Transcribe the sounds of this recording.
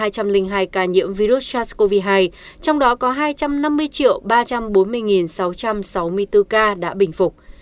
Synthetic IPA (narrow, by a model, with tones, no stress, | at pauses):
aː˧jt͡ɕa˧mlï˧ŋ̟ɦaː˧jkaː˧ɲḭ˧˥əmvi˧ɾu˦˥t̚t͡ɕa˦˥sko˧vi˧ɦaː˧j | t͡ɕɔ˧wŋ͡mɗɔ˨˦kɔ˨˦ɦaː˧jt͡ɕa˧mna˧mːɨ˧əjt͡ɕḭ˧˨əwɓaː˧t͡ɕa˧mɓo˨˦nmɨ˧əjŋi˨˩nsa˨˦wt͡ɕa˧msa˨˦wmɨ˧əjt̪ɨ˧kaː˧ɗa̰ː˧˥ɓï˨˧˩ŋ̟fʊ˨˩k͡p̚